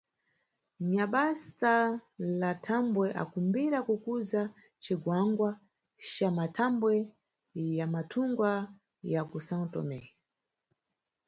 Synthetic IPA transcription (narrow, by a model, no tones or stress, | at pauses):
ɲaɓasalatʰambwɛʔa̰kumbiɾakukuza | t͡ʃiɡwaŋɡwa | t͡ʃamatʰambwɛ | jamatʰuŋɡwa | jakusãntɔ̰mɛ